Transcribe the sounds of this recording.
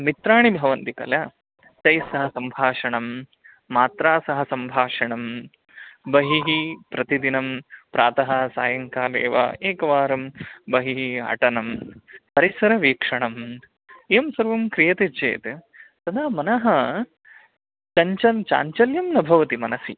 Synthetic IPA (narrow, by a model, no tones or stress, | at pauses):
mit̪ɾaːɳibʱɐʋɐnt̪ikɐ̰ljɐ | t͡ʃɐjsɐɦɐsɐmbʱaːʂɐɳɐmː | aːt̪ɾaːsɐɦɐsɐmbʱaːʂɐɳɐm | bɐɦiɦipɾɐt̪id̪inɐmpɾaːt̪ɐɦɐsaːjɐŋkaːlḛːʋa̰ːeːkɐʋaːɾɐmbɐɦiɦiɐ̰ʈɐnɐmpɐɾisɐɾɐʋiːkʂɐɳɐm | eːmsɐɾʋɐmkɾijɐt̪et͡ʃḛːt̪e | sɐd̪ʱaːmɐnɐɦɐ | t͡ʃɐɲt͡ʃɐnt͡ʃa̰ːɲt͡ʃɐljɐmnɐbʱɐʋɐt̪imɐnɐsḭ